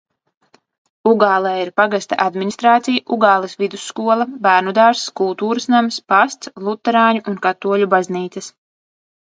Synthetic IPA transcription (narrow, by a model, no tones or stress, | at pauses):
uɡaːlˠɛːjiɾpaɡast̪aʔad̪minʲist̪ɾaːt̪sijaʔuɡaːlˠɨsvid̪usːkuɔlˠɐbæːɾnud̪aːɾskulˠt̪uːɾɨsnamspast̪slˠut̪ːɛɾaːɲuʔunkat̪ːuɔʎʲubazniːt̪sɐs